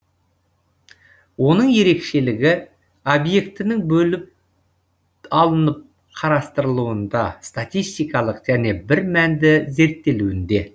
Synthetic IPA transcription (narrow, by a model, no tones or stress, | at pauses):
wo̞nəɴje̞ɾe̞kʃe̞lɪɡʲɪ | obje̞kt̪ɪnɪŋbɵlɪp̚ | ɑlˠənəp̚ | qʰɑɾɑst̪əɾəlˠuwənd̪ɑst̪at̪ʲijst̪ijkɑlˠəqʒ̥æne̞bɪɾmænd̪ɪze̞ɾt̪ːe̞luɪnd̪e̞